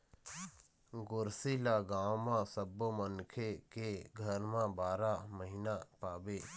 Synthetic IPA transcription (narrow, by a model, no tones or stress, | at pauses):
ɡʊɾsilaɡãːõmãsəbːomənkʰekeɡʱəɾmãbaːɾaməɦinapaːbeː